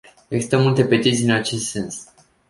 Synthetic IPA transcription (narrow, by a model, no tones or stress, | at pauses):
eɡsi̥st̪əmult̪e̞pet̪it̪siɨnat͡ʃe̞st̪se̞ns